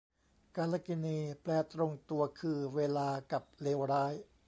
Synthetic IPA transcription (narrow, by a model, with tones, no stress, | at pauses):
ka˧laː˧ki˧niː˧plɛː˧t̪ɾo˧ŋt̪u˧ɐkʰɯː˧weː˧laː˧ka˨˩p̚leː˧wɾaː˦˥j